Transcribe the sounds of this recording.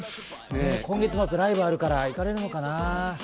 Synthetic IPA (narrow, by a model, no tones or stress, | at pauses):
nekõ̞ŋɡe̞t͡sɨmat͡sɨɾaibaɾɯ̟kaɾaikaɾe̞ɾɯ̟no̞kana